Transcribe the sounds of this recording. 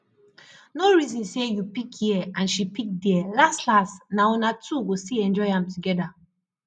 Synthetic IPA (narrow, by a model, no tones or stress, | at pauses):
noɹizɔ̃nsejupikjiɛãnʃipik̚diɛlastlasnaɔ̃natʰuɡostiɛ̃nd͡ʒɔɪãmtuɡɛda